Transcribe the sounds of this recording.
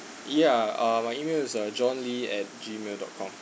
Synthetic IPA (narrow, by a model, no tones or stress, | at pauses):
jaamaɪimelɪsʌd͡ʒɔ̃nliɛt̚d͡ʒimeldɔ̰t̚kʰɔ̃m